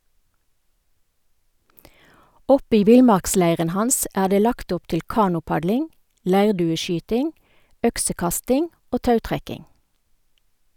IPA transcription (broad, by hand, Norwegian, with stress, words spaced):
ˈɔp ˈiː ˈʋɪlˌmɑʁkˌslæɪʁən ˈhɑns ˈæː ˈdeː ˈlɑkt ˈʊp ˈtɪl ˈkɑːnʊˌpɑdlɪŋ ˈlæɪʁdʉːəˌʃyːtɪŋ ˈœksəˌkɑstɪŋ ˈoː ˈtɑʉtʁɛkɪŋ